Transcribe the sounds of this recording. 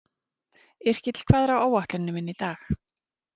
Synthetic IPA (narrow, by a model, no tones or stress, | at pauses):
ɪr̥cɪt̪l̥kʰvɛːðɾawoːwaht̪lʏnːʏmɪnːit̪aːx